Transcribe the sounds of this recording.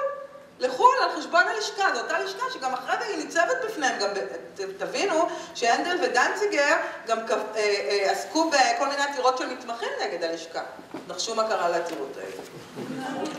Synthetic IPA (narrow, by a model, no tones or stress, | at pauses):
leχulalχeʃbo̞naliʃkazotaliʃkaʃeɡamaχʁevainit͡sevet̪̚bifnehemɡambe | tavinuʃeendelvedant͡siɡeʁɡamkaveaskubeko̞lmineat̪iʁo̞tʃemit̪maχimneɡe̞d̪aliʃka | daχʃumakaʁaleat̪iʁṵta̰jḭt